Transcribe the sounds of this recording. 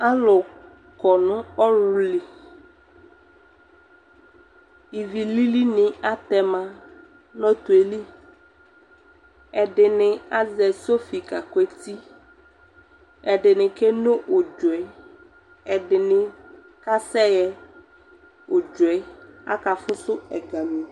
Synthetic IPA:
a˦lʊ˨ | kɔ˨nʊ̃˦ɔ˦ɾʊ˦li˨ | i˨vi˨li˦li˦nɪ̃˨a˦t̪ɛ˨mã˨ | nɔ̃˦t̪u˨e˨li˦ | ɛ˨ɖɪ˨nɪ̃˨a˦zɛ˨so˦fi˨ka˨kɛ˦˨t̪i˦ | ɛ˨ɖɪ˨nɪ̃˨ke˦no˦ʔʊ˨d͡ʒʊ˨ɛ˨ | ɛ˨dɪ˨nɪ̃˨ | ka˦sɛ˦jɛ˨ | ʊ˨d͡ʒʊ˨ɛ˨˦a̰˦ka˨fʊ˦sʊ˦ɛ˨ɡa˨mĩ˨

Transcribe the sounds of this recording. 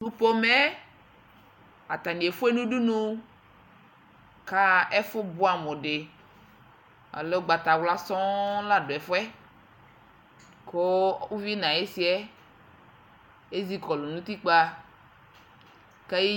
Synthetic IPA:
nũ˦po˦me˦ | a˨t̪a˨nĩ˨e˨fo˦e˦nũ˦ɖu˦nũ˦ | ka˦e˦fo˦bo˦a˨mɔ̃˨ɖe˨ | a̰˨le˦o˦ɡ͡ba˨t̪a˨wla˦sɔ̃˦la˦do˨ɛ˨fo˦ɛ˦ | ko˦u˦vi˦nã˨e˦si˦ɛ˦ | e˦zi˦kɔ˨lo˨nũ˦t̪i˦k͡pa˦ | ka˦ji˦

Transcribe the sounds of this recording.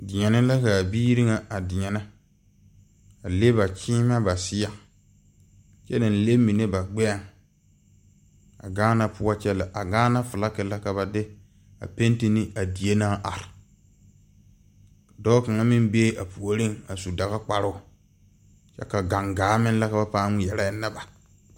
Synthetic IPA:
dɪ˨ɲɛ˨nɪ˦la˦ka˨biː˦ɾi˦ŋa˨a˨dɪ˨ɲɛ˨na˦ | a˨le˦ba˨t͡ʃiː˦ma˦ba˨sɪ˦ja˨ | t͡ʃɛ˦nɪ˨n̩˨le˦mi˨ne˦ba˨ɡ͡bɛ˦a˦˨ŋ | a̰˨ɡaː˦na˦pʊ˦a˦t͡ʃɛ˦la˨ʔa˨ɡaː˦na˦fʊ˨la˦kɪ˨la˦ka˨βa˨dɪ˦ | a̰˨pe˦n˦ti˦nɪ˦a˨di˨e˦naː˦ʔa˨ɾɪ˨ | dɔ˦ka˨ŋa˦mɪ˦mbe˦ʔa˨pu˨o˨ɾɪ˦ŋa˨su˨da˨ɣa˦k͡pa˨ɾʊ˦˨ | t͡ʃɛ̰˦ka˨ɡa˨ŋɡaː˨˦mɪ˦n˦la˦ka˨ba˦paː˦ŋɪ˦jɛ˨ɾa˦ɪ˦na˦ba˨

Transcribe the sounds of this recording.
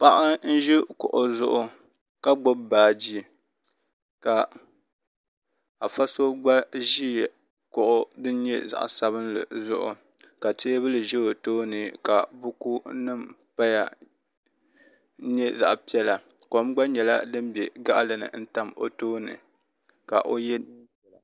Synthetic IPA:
pa˦ʔa˦n̩˦ʒi˦kʊ˨ʔʊ˨zʊ˦ʔʊ˦ | ka˦ɡ͡bʊ˦bbaː˨d͡ʒi˦ | ka˨ | a˨fa˦so˦ɡ͡ba˦ʒi˦˨ | kʊ˨ʔʊ˦dɨ˦n˦ɲɛ˦za̰˨ʔsa˦βɨ˦n˦lɨ̰˨zʊ˦ʔʊ̰˨ | ka˨te˦bɨ˦lɨ˨ʒɛ˦o˨toː˦nɨ˨ka˨bʊ˦ku˦nɨ˦m | pa˦ja̰˨˦ | ɲɛ˦za̰˨ʔpi˦ɛ˦la˨ | ko˨˦m˦ɡ͡ba˦ɲɛ˨la˦dɨ˦m˦bɛ˨ɡa˦ʔlɨ˨nɨ̰˨n̩˦ta˦mo̰˨toː˦nɨ̰˨ | ka̰˨ʔo˦jɛ˦ | ɛ˨la˨

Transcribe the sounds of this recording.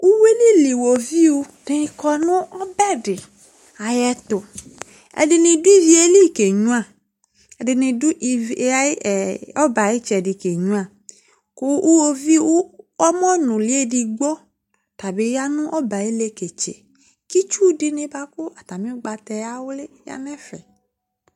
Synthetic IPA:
u˦we˦li˦li˨wo˨vi˦wu˧ | de˨˧kɔ˧nʊ̃˦ɔ˦bɛ˦dɪ˨ | a˨jɛ˨t̪ʊ˨ | ɛ̰˨dɪ˧nĩ˧du˦i˦vi˦e˦li˦˨ke˨ɲũ˦a˨ | ɛ˨dɪ˧nĩ˧du˦ʔa˦˨ɔ˦ba˨ji˦t͡ʃɛ˨di˨ke˨ɲũ˦a˦˨ | kʊ˦ʔu˦o˦vi˦wu˦ɔ˦mɔ̃˦nʊ̃˨li˦e˦di˨ɡ͡bɔ˦ | t̪a˨be˦ja˦nʊ̃˦ʔɔ˦ba˨je˦le˦ke˨t͡ʃḛ˨ | ki˦t͡ʃu˦dɪ˦nẽ˨ba˦kʊ˦a˨t̪a˨mĩ˦ɡ͡ba˨t̪ɛ˨ja˦wo˦le˦ja̰˦nɛ̃˦fɛ̰˨

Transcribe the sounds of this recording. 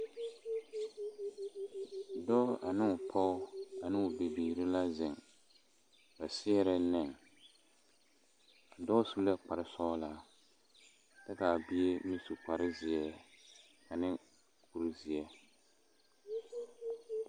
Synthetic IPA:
dɔː˦a˨nɪ˦ʊ˨pʰɔ˦ʊ˦a˨nɪ˦ʊ˨be˨biː˨ɾɪ˦la˦zɪ˨ŋ | ba˨sɪ˦ɛ˦ɾɛ˦nɛ˨ŋ˨ | dɔ˦su˦lɛ˦k͡pa˨ɾɪ˦sɔː˦la˦ | ta˦ka˨bi˦e˦mi˦su˨k͡pa˨ɾɪ˦zɪ˨ɛ˦ | ka˨nɪ˦ | kʰu˦ɾzɪ˨ɛ˦

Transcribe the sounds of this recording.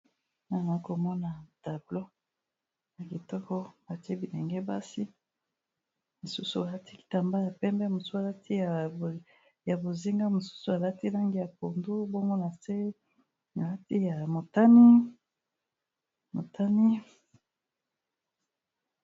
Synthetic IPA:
na˨na˨˦ko˨mɔ˦na˨ta˨blo˦ | na˨ki˨tɔ˦kɔ˦ba˨ti˦e˦bi˨nɛ˨ŋɡɛ˦ba˦si˦ | mo˨su˦su˨a˨la˦ti̥˦˨ta˨mba˦ja˨pɛ˦mbɛ˦mo˨su˦a˨la˦tʰi˦˨ | ja˨bo˨zi˦ŋɡa˦mo˨su̥˦su˨a˨la˦ti˦la˦ŋɡi˦ja˨ko˨ndu˦bo˦ŋɡo˦na˨se˦ | na˨la˦ti˦ja˨mo˨ta˦ni˦ | mo˨ta˦ni˦

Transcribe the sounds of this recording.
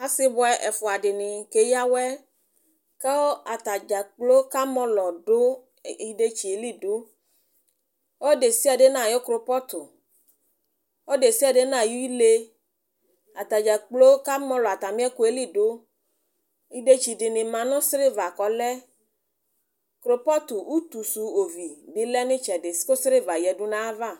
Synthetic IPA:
a˦sɪ˦bɔ˦ɛ˦ʔɛ˨fɔ˨a˨ɖɪ˨nɪ̃˨ke˨ja˦wɛ˦ | kɛ˦wo˦a˨t̪a˨d͡ʒa˨k͡plo˦ka˦mɔ̃˦lɔ˨ɖo˦ | i˦ɖe˦t͡ʃi˨e˨li˦ɖo˦ | wo˦ɖe˨si˦a˨ɖe˦nã˦˨jo˦kɾo˨˦pɔ˦t̪o˨ | wo˦ɖe˨si˦a˨ɖe˦nã˦˨ju˦i˦le˦ | a˨t̪a˨d͡ʒa˨k͡plo˦ka˦mɔ̃˦lɔ˨a˨t̪a˨mĩ˦ɛ˦ku˦e˦li˦ɖo˦ | i˦de˦t͡ʃi˨ɖɪ˨nɪ̃˨mã˨nɔ̃˦sɾe˦va˨kɔ˨lɛ˦ | kɾo˦pɔ˦t̪u˨wu˦t̪u˨su˨o˨vi˨bi˦lɛ˦nɪ̃˦t͡ʃɛ˨de˨sko˦sɾe˦va˨jɛ˨ɖu˦nã˦va˦˨

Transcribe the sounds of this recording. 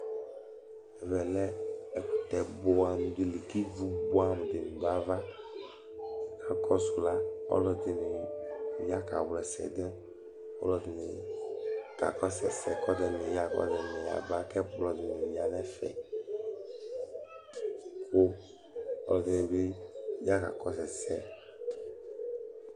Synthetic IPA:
ɛ˨vɛ˨lɛ˦ɛ˨ku˨t̪ɛ˨bo˦a˨mũ˨d̪e˨le˨ki˦vu˦bo˦a˨nũ˨d̪e˨nũ˨d̪a˨va˦ | ɛ˦˨ka˦kɔ˦su˨la˦ɔ̰˦lɔ˦d̪e˨ne˨ja˦ka˨wlɛ˨sɛ̰˨d̪e˦ | ɔ̰˦lɔ˦d̪e˨ne˨ | ka̰˨kɔ˦sɛ˨sɛ˨kɔ˦d̪ɛ˦ne˨ja˦kɔ̰˦d̪ɛ˨nɛ̃˨ja̰˨ba˦kɛ˦lɔ˨d̪e˨ne˨ja˨nɛ̃˦fɛ̰˨ | ko˦ | ɔ˦lɔ˨d̪e˨ne˨be˦ja˦ka̰˨kɔ˦sɛ˨sɛ˦

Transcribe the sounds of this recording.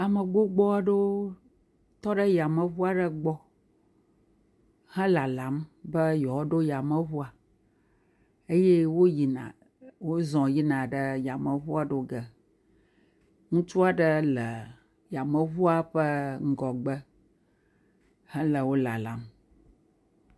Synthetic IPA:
a˨mə˨ɡ͡bo˦ɡ͡bɔ˦a˨ɖo˦ | t̪ɔ˦ɖə˦ja˨mə˨βu˦a˨ɖə˦ɡ͡bɔ˦ | hɛ̃˦la˨la˨˦mbə˦jɔ˨˦ɖo˦ja˨mə˨βu˦a˨ | e˦je˦wo˦ji˨nã̰˨ | wo˦zɔ̃˨ji˦nã˨ɖə˦ja˨mə˨βu˦a˨ɖo˦ɡə˨ | ŋũ˦t͡ʃu˦a˨ɖə˦lə˨ | ja˨mə˦βu˦a˨ɸə˦ŋ̩˦ɡɔ˨ɡ͡bə˦ | hə̃˦lə˨wo˦la̰˨la̰˨˦m

